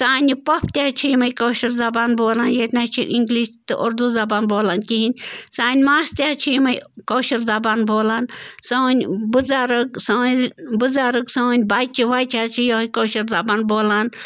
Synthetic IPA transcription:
saːnʲipɐpʰt̪ʲaɦt͡ʃʰijmɐjkoːʃɐɾzɐbaːnboːlaːnjet̪nat͡ʃʰḭɾʔiŋɡliːʃt̪ɨ̰ʔoɾd̪uzɐbaːnboːlaːnkiɦinʲsaːnʲmaːst̪ʲaːt͡ʃʰimɐjkoːʃɐɾzɐbaːnboːlaːnsɐːnʲbuzaːɾɨksɐːnbuzaːɾɨksɐːnʲbaːt͡ʃiʋaːjt͡ʃʰaːt͡ʃʰijoɦkoːʃɐɾzɐbaːnboːlaːn

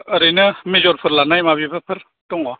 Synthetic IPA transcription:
əɾɯnɯmezɔɾpʰɯɾlanajmabipʰapʰɯɾ | tɔŋɔ

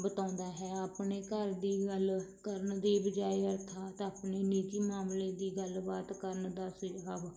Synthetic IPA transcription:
bət̪ãːnd̪aːɦɛːaːpneːkəɾd̪iːɡəlkəɾnd̪eːbəd͡ʒaːiːəɾt̪ʰaːt̪aːpneːniːd͡ʒiːmaːmleːd̪iːɡəlbaːt̪kəɾnd̪aːsɪd͡ʒaːb

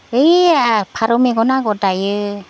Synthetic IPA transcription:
ɯjapʰaɾɔmeɡɔnaɡɔdajɯ

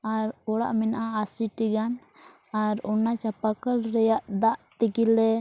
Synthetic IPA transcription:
aɾɔɽa̰ʔmɛnʔaːsiʈiɡan | aɾɔnat͡ʃapakəlɾɛjaʔd̪aʔt̪ikilɛ

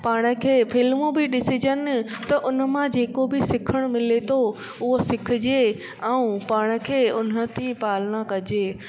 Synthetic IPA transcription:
paːɽ̃ə̆kʰeːfʰɪlmobɪɗɪsɪd͡ʑənt̪ɐʔʊn̤ə̆mãd͡ʑeːkobɪsɪkʰəɽ̃mɪlet̪ʰo | ʊɦosɪkʰd͡ʑe | ɛũpaːɽ̃ə̆kʰeːʊn̤ə̆t̪ʰipaːlɽ̃akɐd͡ʑeː

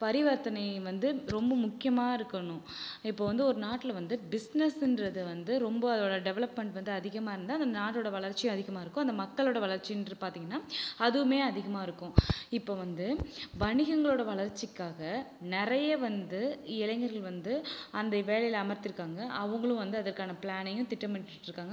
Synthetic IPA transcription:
pɐɾɪʋɐɾt̪ɐnɐɪʋɐnd̪ɯɾɔmbɐmʊkːɪjɐmaːɪɾɯkːɐɳʊ̃ | ɪpːoːʋɐnd̪ɯɔɾɯnaːʈːɪlɐʋɐnd̪ɯbɪsnɛsɪndɾɐðɯʋɐnd̪ɯɾɔmbɐɐðoːɽɐɖɛʋɛɭɐpmɛɳʈʋɐnd̪ɯɐðɪɣɐmaːɪɾɯnd̪aːɐnd̪ɐnaːʈːoːɽɐʋɐɭɐɾt͡ʃːɪjʊ̃ɐðɪɣɐmaːɪɾɯkːʊ̃ɐnd̪ɐmɐkːɐɭoːɽɐʋɐɭɐɾt͡ʃːiɪndɐɯpaːɾt̪iːŋɡɐnːaːɐðɯmeːɐðɪɣɐmaːɪɾɯkːʊ̃ɪpːoːʋɐnd̪ɯbɐɳɪɣɐŋɡɐɭoːɽɐʋɐɭɐɾt͡ʃːɪkːaːɣɐnɪɾɐjɐʋɐnd̪ɯɪlɐŋɡɐɾɣɐɭʋɐnd̪ɯɐnd̪ɐʋeːɭɐjɪlɐːmɐɾt̪ːɪɾɯkːaːŋɡɐʔɐʋɐŋɡɐɭʊ̃ʋɐnd̪ɯɐðɐɾkaːnɐpɭaːnɐjʊ̃t̪ɪʈːɐmɐnʈʈːɾɯkːaːŋɡɐ

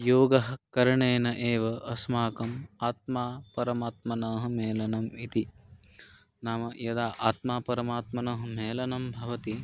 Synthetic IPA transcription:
joːɡɐɦɐkɐɾɐɳeːnɐʔeːʋɐʔɐsmaːkɐmaːt̪̚maːpɐɾɐmaːt̪̚mɐnɐːɦɐmeːlɐnɐmit̪i | naːmɐjɐd̪aːʔaːt̪maːpɐɾɐmaːt̪mɐnɐːɦɐmeːlɐnɐmbʱɐʋɐt̪i

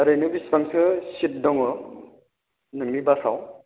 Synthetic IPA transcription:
aɾɯjnɯbisbaŋsɯsit̚dɔŋɯ | nɯŋnibasaw

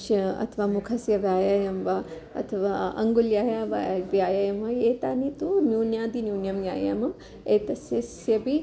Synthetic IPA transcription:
ʃɐɐ̰t̪ʰɐʋaːmukʰɐsjɐʋjaːjajɐmʋɐ | ɐ̰t̪ʰɐʋaːɐ̰ŋɡuljaːjaːʋa̰ʋjaːjajɐmʋɐjeːt̪aːnit̪unjuːnjaːd̪injuːnjɐmja̰ːjɐ̰mɐm | eːt̪ɐsjɐsjɐbi

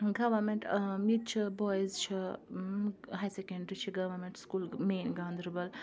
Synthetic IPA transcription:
ɡɐʋɐɾmeɳʈjit͡ʃʰibɔjzt͡ʃʰi | ɦajsekeɳɖɾit͡ʃʰiɡɐʋɐɾmeɳʈskuːlmeːnɡaːnd̪ɾbɐl

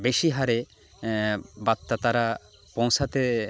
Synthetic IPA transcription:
beʃiɦaɾe | bat̪ːat̪aɾa | põw̃sʰat̪e

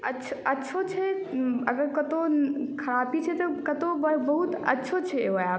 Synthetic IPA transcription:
ɐtːt͡ʃʰɐtːʃʰot͡ʃʰɛ | ɐɡəɾkɐt̪okʰɐɾapit͡ʃʰɛt̪ɔkɐt̪obbɐɦut̪ɐ̰tːʃʰot͡ʃʰɛojaː

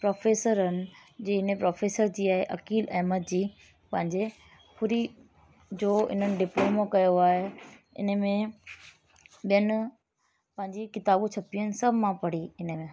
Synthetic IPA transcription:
pɾoːfeːsəɾənɪ̆d͡ʑiːɪnəpɾoːfeːsəɾd͡ʑiːaːɦeʔɐkiːlɐɦmət̪̚d͡ʑiː | pɐ̃ɦɪ̃ɲd͡ʑe | pʰʊɾi | d͡ʑoːɪ̰n̤ənɪ̆ɖɪploːmokɐjoaːɦe | ɪ̰nə̆mẽ | ɓijənɪ̆ | pɐ̃ɦɪ̃ɲd͡ʑikɪt̪aːbũt͡ɕʰɐpijənɪ̆sɐbʱmãpɐɽiɪnəmẽ

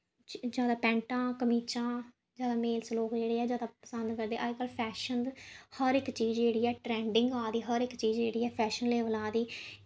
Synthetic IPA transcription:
d͡ʒjaːd̪aːpɛ̃ːɳʈãːkəmiːt͡ʃãː | d͡ʒjaːd̪aːmeːlsloːkd͡ʒeːɽeːɛːd͡ʒjaːd̪aːpəsənd̪kəɾd̪eːʔaːkəlpʰɛːʃənd̪həɾɪkt͡ʃiːzd͡ʒeːɽiːɛːʈɾɛ̃ːɳɖɪŋɡaːd̪iːɦəɾɪkt͡ʃiːzd͡ʒeːɽiːɛːpʰɛːʃənleːʋəlaːd̪iː

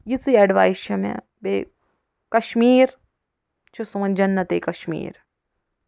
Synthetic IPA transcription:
jit͡sɨjɐɖʋaːjʃɐmḛ | be | kɐʃmiːɾ | t͡ʃʰisuːɐnd͡ʒɐnːɐt̪eːkɐʃmḭːɾ

